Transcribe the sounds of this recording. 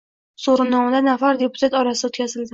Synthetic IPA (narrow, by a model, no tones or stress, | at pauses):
soɾɪnːɒŋd̪anafaɾd̪e̞pʊ̥t̪ʰat̪ɒɾasot̪kʲazɪld̪ɪ